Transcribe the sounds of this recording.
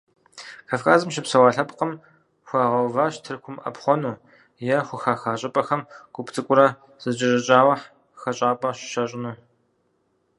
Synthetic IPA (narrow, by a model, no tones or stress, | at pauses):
kʰaːfkʰaːzɨmʃɪpsɐwaːɬɐpqəm | xʷɑːʁɐwvaːʃtʰɨrkʷʊmɐ̰pχʷɔnuː | jɛxʷʊxaːxaːɕʼɐpʼɐxɐmɡ̥ʷʊpʰtʰʼɨkʷʼʊɾɐ | z̥ɨt͡ʃʼɪʑʼɐt͡ʃʼaːwɐħ | xɐɕʼaːpʼɐɕʃɐɕʼɪnuː